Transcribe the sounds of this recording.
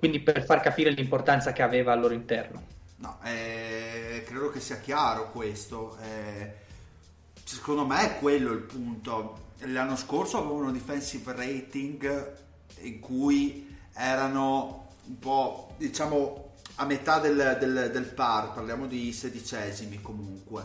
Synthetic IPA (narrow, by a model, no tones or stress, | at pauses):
kwind̪iperfarkapiːɾelimport̪ant̪sakeaveːvaːlːoːɾoint̪ɛrno̰nɔ̰ʔɛ | kːɾeːd̪okesiːak̟jaːɾokwest̪oɛ | sekond̪omeɛkːwelːoilpunt̪oelːanːoskorsoaveːvaunad̪ifɛnsivrejt̪iŋɡ | iŋkuj | ɛːɾano | umpɔd̪it͡ʃaːmoamet̪ad̪eld̪eld̪elparparljaːmod̪ised̪it͡ʃɛzimikomuŋkwe